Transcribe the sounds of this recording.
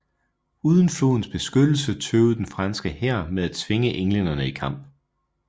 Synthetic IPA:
uːð̞ˠən̩flo̝̰ːn̩sb̥e̝sɡ̥ød̥l̩sət͡sʰøʊð̩ˠd̥enfʁɑ̈nsɡ̥əhæɐ̰meðˠæ̥t͡sʰʋe̝ŋəʔeŋlen̰ɐnəikʰɑ̈m̰b̥

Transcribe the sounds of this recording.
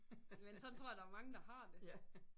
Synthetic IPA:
jmensɒnt͡sʰo̝ɐ̰jɐd̥ɑæɐmɑ̈ŋəd̥ɑ̈ɦɑ̈d̥e̝

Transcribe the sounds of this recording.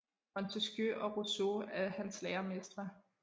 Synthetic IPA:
ɒnt͡sʰesɡ̥jøʔɒ̽ʁosoæhænsleːɐmesd̥ʁɐ

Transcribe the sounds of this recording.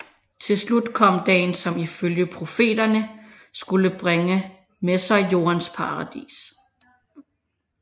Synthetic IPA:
t͡sʰe̝lslud̥kʰɒ̽m̰d̥ɛ̰ːnsɒ̽miføljəpʰʁo̝fe̝̰ːd̥ɐnə | sɡ̥uləb̥ʁeŋə | mesɑ̈ɪjo̝̰ːɐnspʰɑ̈ʁɑd̥ḭːs

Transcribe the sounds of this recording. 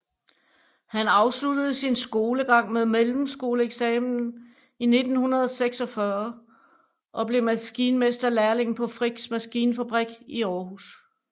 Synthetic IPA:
hænɑ̈ʊslud̥əð̞̩ˠsinsɡ̥o̝ːləɡ̥ɑ̈ŋ̰meðˠmelm̩sɡ̥o̝ːləeɡ̥sɛːmn̩n̩ | ine̝d̥n̩hunɐð̞ˠɒseɡ̥sɒ̽fɶɐ | ʔɒ̽b̥le̝mæsɡ̥iːnəmesd̥ɐlæɐle̝ŋn̩pʰɒ̽fʁiɡ̥smæsɡ̥iːnəfæb̥ʁiɡ̥iɒːhus

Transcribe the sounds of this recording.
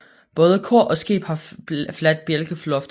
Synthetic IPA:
b̥ɔ̽ːðˠəkʰoɐ̰ʔɒ̽sɡ̥e̝̰ːb̥hɑ̈flæd̥̚b̥jelɡ̥əflɒ̽fd̥

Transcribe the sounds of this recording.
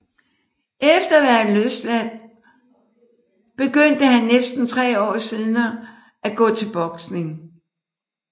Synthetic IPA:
ʔefd̥ɐʋæɐløsd̥læn̰ | b̥e̝ɡ̥øn̰d̥əhænːesd̥n̩t͡sʰʁɛ̰ːɒ̰ːsiðˠnɐ | æɡ̥ɔ̰̽ːt͡sʰe̝lb̥ɒ̽ɡ̥sne̝ŋ

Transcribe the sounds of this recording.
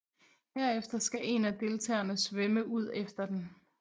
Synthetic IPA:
heɐ̰efd̥ɐsɡ̥æʔe̝næd̥e̝lt͡sʰɛ̰ːɐnəsʋeməʔuð̞̰ˠefd̥ɐd̥en

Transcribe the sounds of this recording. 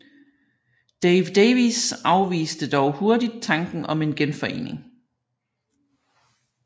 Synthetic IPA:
d̥eɪʋd̥eʋisɑ̈ʊʋḭːsd̥əd̥ɒʊho̝ɐdid̥̚t͡sʰɑ̈ŋɡ̥n̩ɒ̽me̝nɡ̥enfɒ̽e̝̰ːne̝ŋ

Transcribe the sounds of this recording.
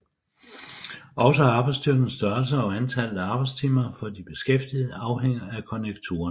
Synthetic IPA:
ɒ̽ʊsəɑ̈ːb̥ɑɪdsd̥yɐɡ̥n̩sd̥ɶɐls̬ɐɒ̽ænt͡sʰæl̰æɑ̈ːb̥ɑ̈ɪdst͡sʰimɐfɒ̽d̥ib̥e̝sɡ̥efd̥ið̩ˠɑ̈ʊheŋ̰ɐækʰɒ̽neɡ̥̚t͡sʰṵːɐn

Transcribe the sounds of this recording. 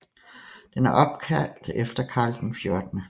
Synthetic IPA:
d̥enæɐʔɒ̽b̥̚kʰæl̰d̥efd̥ɐkʰɑ̈ːld̥n̩fjo̝ɐd̥nə

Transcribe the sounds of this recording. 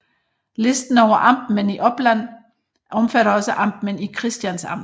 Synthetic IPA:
le̝sd̥n̩ɒʊɐʔɑ̈m̰b̥n̩əniʔɒ̽b̥læn̰ | ʔɒ̽mfæɾɐɒ̽səʔɑ̈m̰b̥mənikʰʁɛsd̥jænsɑ̈m̰

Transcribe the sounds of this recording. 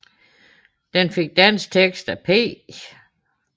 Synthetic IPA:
d̥enfe̝ɡ̥̚d̥æn̰st͡sʰeɡ̥sd̥æpʰḛː

